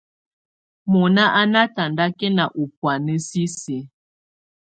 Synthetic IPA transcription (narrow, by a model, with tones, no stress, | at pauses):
mɔ˨na˦ʔa˦na˦ta˨nda˦kɛ˦na˨ʔu˨pwa˨nə˦si˦se˨˦